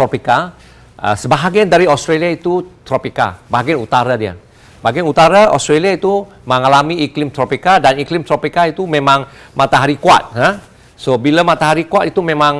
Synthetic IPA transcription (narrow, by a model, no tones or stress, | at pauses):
t̪ɾopika | ə̰səbaɦaɡiandaɾiɔst̪ɾeliait̪ut̪ɾopika̰baɦaɡianut̪aɾadiə̰ | baɡianut̪aɾaɔ̰st̪ɾaliait̪u | məŋalamiːklimt̪ɾopikadaniklɪmt̪ɾopikait̪umemaŋ | mat̪aɦaɾikua̰t̪̚ha | sobiləmat̪aɦaɾikuat̪it̪umemaŋ